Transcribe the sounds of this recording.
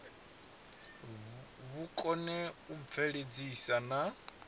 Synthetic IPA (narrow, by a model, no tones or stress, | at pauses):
βukʼɔnɛuvʰɛɺed͡zisana